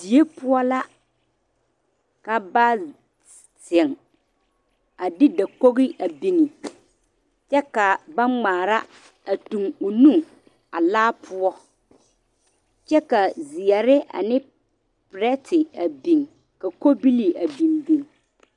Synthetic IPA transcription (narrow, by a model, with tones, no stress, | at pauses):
di˨e˦pʊ˦ɔ˦la˦ | ka˨ba˦ | sɪ˨ŋ | a˨dɪ˦da˨ko˦ɣɪ˦ʔa˨bi˨ŋi˨ | t͡ʃɛ˦ka˨ba˦ŋ͡maː˨ɾa˦ | a˨tu˨ŋo˨nu˦ŋ | a˨laː˦pʰʊ˦ɔ˦ | t͡ʃɛ˦ka˨zɪ˨ɛ˨ɾɪ˦a̰˨nɪ˦ | pɾɛ˦tɪ˨a˨bi˨ŋ | ka˨ko˦bi˦li˨a˨bi˨mbi˨ŋ